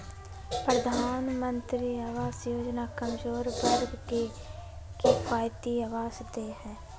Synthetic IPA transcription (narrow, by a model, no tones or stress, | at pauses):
pɾəd̪ʱaːnmənt̪ɾiːaːʋaːzjoːd͡ʒnaːkəmzoːɾbəɾbɡe | kipaːjt̪iːaːʋaːzd̪eːɦɛ̃ː